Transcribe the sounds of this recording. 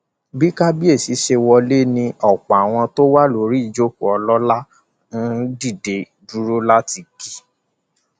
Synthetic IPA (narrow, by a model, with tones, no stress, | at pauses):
bi˦ka˦bi˦e˦˨si˨˦ʃe˧wɔ˧le˦nĩ˧ɔ˨k͡pa˨a˨w̃ɔ̃˧to˦wa˦lo˧˦ɾi˦˨d͡ʒo˦ku˨ɔ˧lɔ˦la˦ | ñ̩˦di˦˨de˨ | du˦ɾo˦la˦ti˧ki̥˨